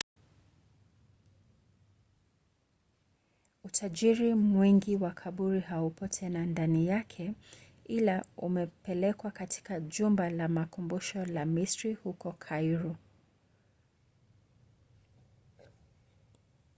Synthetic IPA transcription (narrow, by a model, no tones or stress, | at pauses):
utʰaʄiɾimwiŋɡiwakʰaɓuɾihaupɔtʰɛnandanijakʰɛ | ilaṵmɛpɛlɛkwakatʰi̥kaʄumbalamakumbuʃɔlamistɾihukɔkʰajɾu